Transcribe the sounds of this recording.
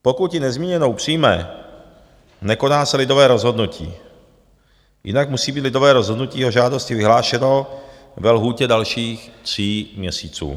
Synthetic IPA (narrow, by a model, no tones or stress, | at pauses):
pokut̪jɪnɛzmiːɲɛnowpr̝̥iːmɛ | nɛko̞naːsɛlɪdovɛːɾozɦo̞d̪nucḭː | jʔɪ̰nakmusiːbiːt̪lɪdovɛːɾozɦodnuciːɛɦoʒaːdoscɪvɪɦlaːʃɛno | vɛlɦuːcɛdalʃiːxt̪r̝̥iːmɲɛsiːt͡sṵː